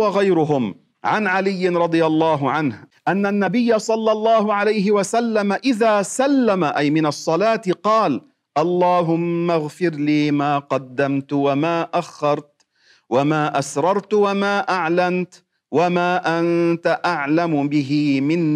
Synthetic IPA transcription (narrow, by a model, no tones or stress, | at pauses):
waɣajɾʊɦʊm | ʕanʕalɪjːɪnɾˤɑd̪ˤɨjalˤːɑːɦʊʕanhʔanːanːabɪjːasˤɑlːɑlˤːɑːhʊʕalajɦɪwasalːamaʔɪðaːsalːamaʔajmɪnɑsˤːɑlaːt̪ɪqɑːl | ʔɑlˤːɑːɦʊmːaɣfɪɾliːmaːqɑd̪ːamt̪wamaːʔaxːɑɾˤt̪ | wamaːʔasɾˤɑɾˤt̪wamaːʔaʕlamt̪ | wamaːʔant̪aʔaʕlamʊbɪɦiːmɪn